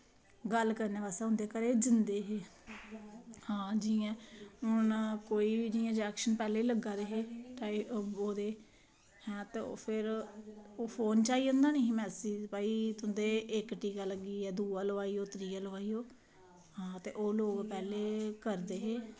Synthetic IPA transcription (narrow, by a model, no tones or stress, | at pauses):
ɡəlkəɾneːbaːsaːɦʊ̃nd̪eːkəɾeːd͡ʒɪnd̪eːɦeː | hãːd͡ʒiãːʊnkoːiːiːd͡ʒiãːd͡ʒɛːkʃənpɛːleːiːləɡaːɾəɦeːʈaːioːd̪eː | hɛ̃ːt̪eːo̰ːpʰɪɾ | oːpʰoːnt͡ʃaːiːʊ̃nd̪aːnəɦĩmɛ̃ːsiːpaːiːt̪ʊnd̪eːɪkʈiːkaːləɡiːɛːd̪uːaːləʋaːiːoːt̪ɾiːaləʋaːiːoː | hãːt̪ḛːʔoːloːɡpɛːleːkəɾd̪eːɦeː